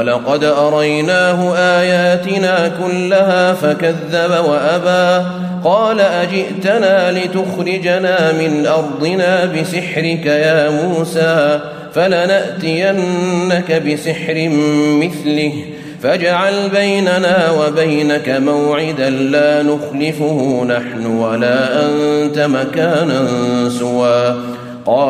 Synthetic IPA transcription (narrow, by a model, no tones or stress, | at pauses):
lɑqɑd̪ʔɑɾˤɑjnaːhʊʔaːjaːt̪ɪnaːkʊlːaɦaːfakaðːabawaʔabaː | qɑːlaʔad͡ʒɪʔt̪anaːlɪt̪ʊxɾɪd͡ʒnaːmɪnʔɑɾˤd̪ˤɨnaːbɪsɪħɾɪkajaːmuːsaː | falanaʔt̪ɪjanːakabɪsɪħɾɪmɪθlɪh | fad͡ʒaʕalbajnanaːwabajnakamawʕɪd̪anlaːnʊxlɪfʊhʊnaħnʊwalaːʔant̪amakaːnansʊwaː | qɑː